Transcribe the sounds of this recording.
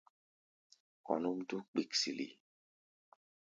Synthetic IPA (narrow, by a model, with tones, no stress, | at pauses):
kɔ̰˨nu˦mtu˦k͡pi˨ksi˨lḭ˨